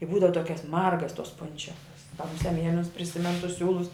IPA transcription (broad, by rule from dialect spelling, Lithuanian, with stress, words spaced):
ɪ ˈbuːdɐʋɐ ˈtoːkʲɛs ˈmɐrɡɐs toːs ˈpʊnʲt͡ʃʲɛkɐs kɐ mʊˈsʲɛ ˈmʲiɛlʲɪnʊs pʲrʲɪˈsʲɪmʲɛnʊ tʊs ˈsʲuːlˠʊs